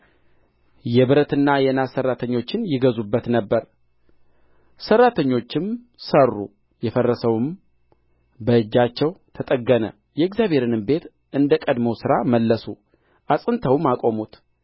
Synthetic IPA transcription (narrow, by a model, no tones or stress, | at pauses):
jɛβɨɾət̪ɨnːajɛnasːərːat̪ʰəɲːo̞t͡ʃːɪnjɪɡəzubːət̪nəbːəɾ | sərːat̪ʰəɲːo̞t͡ʃːɪm | sərːṵ | jɛfərːəsəwɨm | bəɨd͡ʒːat͡ʃːɛwt̪ʰət̪ʼəɡənə̰ | jɛːɡzjaβʱhe̞ɾɨnɨmbe̞t̪ | ɨnd̪əkʼəd̪məwsɨɾaməlːəsu | ʔasʼɨnt̪ʰəwmakʼo̞mut̪